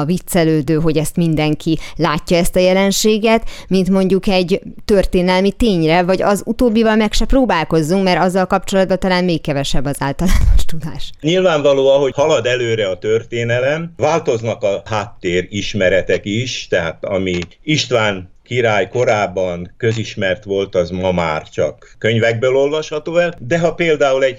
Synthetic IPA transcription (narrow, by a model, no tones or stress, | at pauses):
vit̪sɛløːd̪øːɦo̞ɟɛst̪mind̪ɛŋkʰilaːcːɒɛst̪ɒjɛlɛnʃeːɡɛt̪mint̪mo̞ɲɟukɛɟt̪ørt̪eːnɛlmit̪eːɲrɛvɒɟɒzut̪oːbːivɒlmɛkʃɛproːbaːlko̞zːuŋkmɛɾɒzːɒlkɒpt͡ʃo̞lɒd̪̚bɒt̪ɒlaːnmeːkːɛvɛʃɛbːɒzaːlt̪ɒlaːnoʃt̪ud̪aːʃɲilvaːɱvɒloːɒɦo̞hɒlɒd̪ɛløːɾɛɒt̪ørt̪eːnɛlɛmvaːlt̪o̞znɒkɒhaːt̪ːeːɾiʃmɛɾɛt̪ɛkiʃt̪ɛɦaːt̪ɒ̰mi | iʃt̪ʋaːŋ | kiɾaːjko̞ɾaːbːɒnkøziʃmɛrt̪ʋo̞lt̪ɒzmɒma̰ːrt͡ʃɒ̰kːøɲvɛɡ̚bøːlo̞lvɒʃhɒt̪oːɛld̪ɛɦɒpeːld̪aːulɛɟ